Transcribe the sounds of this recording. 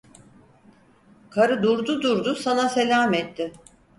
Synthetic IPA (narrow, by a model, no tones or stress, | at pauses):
kʰaɾɯd̪uɾd̪ud̪uɾd̪usanase̞lʲaːmɛt̪ːɪ